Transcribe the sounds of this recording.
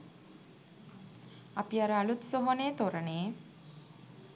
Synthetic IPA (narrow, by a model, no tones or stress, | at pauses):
apiaɾəalut̪soɦoneːt̪oɾəneː